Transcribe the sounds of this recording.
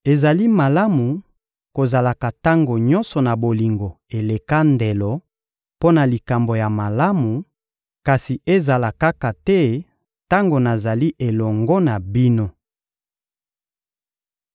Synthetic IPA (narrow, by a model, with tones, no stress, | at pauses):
e˨za˨li˦ma˨la˦mu˨ | ko˨za˨la˨ka˨ta˦ŋɡo˨ɲɔ˦nsɔ˨na˨bo˨li˨ŋɡo˨e˨le˨ka˦nde˨lɔ˨ | po˦na˨li˨ka˨mbo˨ja˨ma˨la˦mu˨ | ka˨si˨ʔe˦za˨la˨ka˦ka˨tɛ˦ | ta˦ŋɡo˨na˨za˨li˦ʔe˨lɔ˨ŋɡɔ˦na˨bi˦no˦